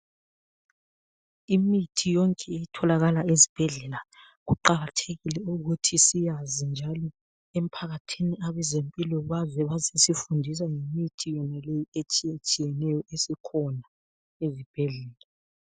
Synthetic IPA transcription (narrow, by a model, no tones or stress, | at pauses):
imitʰijɔŋkʼɛeitʰɔlaɣalaezib̥ʱɛɮɛla | ɣuǃaɣatʰeɣilɛuɣutʰisijazind͡ʒʱalɔ | em̩pʰaɣatʰiniaβɛzempʼilɔβazɛβazesifundʱis̬aŋemitʰijɔnalejiet͡ʃʼiet͡ʃʼijɛnɛjɔʔesikʰɔna | ezib̥ʱɛɮɛːla